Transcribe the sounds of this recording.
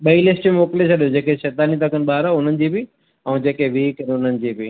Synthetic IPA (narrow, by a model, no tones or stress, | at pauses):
ɓɐilɪsʈmoːkɪlet͡ɕʰɐɗijõd͡ʑeːkeʃeːt̪aːnit̪ɐkʰənɪ̆ɓaːɾaʊn̤ənɪ̆d͡ʑiːbɪ | ɛ̃ːd͡ʑeːkeʋiːkənʊn̤ənɪ̆d͡ʑiːbɪ